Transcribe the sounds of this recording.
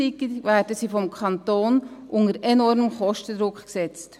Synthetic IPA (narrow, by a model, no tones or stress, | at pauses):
ikəvæːɾdəsiːfɔmkʰɑnt̪oːnʔʊŋəɾɛnɔɾməmχɔʃtəd̪ɾʊkksɛt͡st